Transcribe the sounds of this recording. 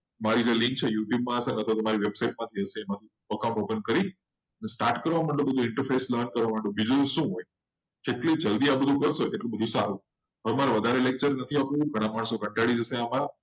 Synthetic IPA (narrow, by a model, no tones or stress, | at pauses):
maɾid͡ʒelɪ̃ŋk̚t͡ʃʰejuʈjub̚mãəsanɦət̪ʰot̪əmaɾiʋebsaiʈ̚mãt̪ʰiɦəseːmãt̪ʰi | əkawũɳʈɦopənkəɾi | ənesʈaɾʈkəɾʋamãɳɖobəd̪ʱũɪɳʈəɾfʰesləɾnkəɾʋamə̃ɳɖobid͡ʒuʃũɦoj | d͡ʒeʈlid͡ʒəld̪iabəd̪ʱũkəɾʃoeʈlũbəd̪ʱũsaɾũ | ɦəmaɾeʋəd̪ʱaɾelek̚t͡ʃəɾnət̪ʰiapũɡʱəɽ̃ãmaɳsoɡəɳʈaɽid͡ʒəseamã